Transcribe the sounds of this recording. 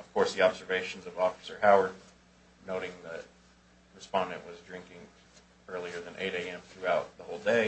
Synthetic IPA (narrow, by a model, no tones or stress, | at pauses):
ʌv̥kʰɔɹsðiɑbzə˞veɪʃn̩zʌvɔfɨ̥sə˞haʊə˞d̚ | noʊɾɪ̃ŋðət | ɹɨspɑ̃ndɨ̰̃nʔwʌzdɹɪ̃ŋkɪ̃ŋ | ɜ˞lˠiə˞ðɨ̃nʔḛɪɾeɪɛ̃mθɹʉaʊt̪̚ðəhoʊlˠdeɪ